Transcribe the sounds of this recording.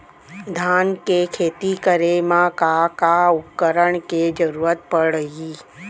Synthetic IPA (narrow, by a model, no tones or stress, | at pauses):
d̪ʱankekʰet̪ikəɾemãkakaukːəɾəɳked͡ʒəɾuɾət̪̚pəɽəɦi